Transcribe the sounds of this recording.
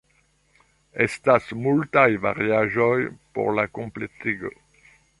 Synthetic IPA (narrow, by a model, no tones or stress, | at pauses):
ɛst̪asmult̪ajva̰ʁjaʒɔjpṵʁlakɔ̃plet̪iɡə